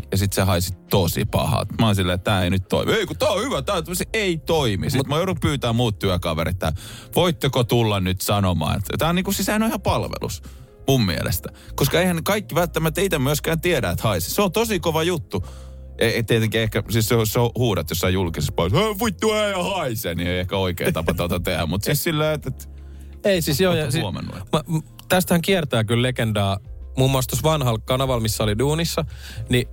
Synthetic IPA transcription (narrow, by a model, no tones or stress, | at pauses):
jɑsit̪sehɑisit̪osḭpɑ̰hɑ̰t̪mɑˑinsilːeːt̪t̪æːeinyt̪to̰ḭmieikot̪æːohyʋæt̪æːsieit̪oimismut̪mɑjoɾupyːt̪æːmuːt̪t̪yækɑʋḛɾḭt̪ːæ̰ʋoit̪ːekot̪ulːɑnnyt̪sɑnomɑ̰ːḛt̪t̪æːoniːkusisænoehɑmpɑlʋḛlṵs | mummḭḛlḛst̪æ̥ | koskɑeihænekɑikːiʋælt̪ːæmæt̪ːeit̪æmyøskæːnt̪ieɾæet̪hɑisi̥seont̪osikoʋɑjut̪ːu | ʔeet̪iet̪eŋkiehkæsisseosseohuːɾɑt̪josːɑijulkisespɑlʋueʋuit̪ːuæɑhɑisḛnieiehkæoikḛːt̪ɑpɑt̪ɑot̪ɑt̪ehæ̰mmut̪sissilːæiet̪et̪ | eisisjojɑsiomḛnːṵḭmɑ | t̪æst̪hæŋkiɛrt̪æːkyllekendɑːmuːmːoɑːˑst̪osʋɑnhɑlkɑnɑʋɑlmisːæoliduːnisːɑni